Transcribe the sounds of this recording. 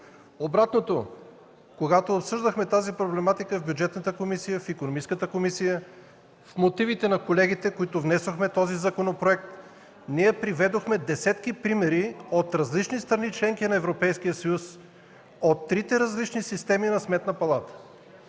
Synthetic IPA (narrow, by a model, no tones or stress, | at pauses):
obɾat̪not̪o | koɡat̪oːpsɤʒd̪əxmɛt̪azipɾoblɛmat̪ikəvbʲjud͡ʒɛt̪nət̪əkomisijəfikonomit͡ʃ̪skət̪əkomisijə | fmot̪ivit̪ɛnɐkolɛɡit̪ɛkoit̪ovnɛsoxmɛt̪ɔzizɐkonopɾoɛk̚t̪ | niɛpɾivɛd̪oxmɛd̪ɛsɛt̪kipɾimɛɾiot̪ɾɐzlit͡ʃnist̪ɾɐnit͡ʃlɛŋkinɐɛvɾopɛjskijəsɐjus | ot̪ːɾit̪ɛɾɐzlit͡ʃnisist̪ɛminɐsmɛt̪nɐpɐlˠat̪ə̥